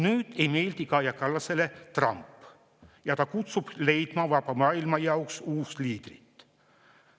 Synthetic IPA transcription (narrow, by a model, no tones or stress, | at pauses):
nyːt̪eijme̞jlt̪ikɑːjɑkɑlːɑselet̪rɑ̰mpː | jɑt̪ɑkut̪sub̥le̞jt̪mɑːʋvɑpɑmɑːilmɑjɑwksuːst̪liːd̪̥rit̪ː